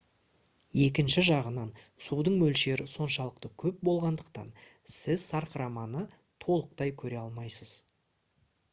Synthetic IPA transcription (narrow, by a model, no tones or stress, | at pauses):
je̞k̬ʲɪnʃɪʒɑʁənɑnsud̪əɴmɵlʃe̞ɾɪso̞nʃɑlˠəqt̪əkʲʰɵp̚bo̞lˠʁɑnd̪əq̚t̪ɑ̰n | sɪzsɑɾqəɾɑmɑnə | t̪ʰo̞lˠəqt̪ɑjkʲʰɵɾe̞ɑlˠmɑjsəz̥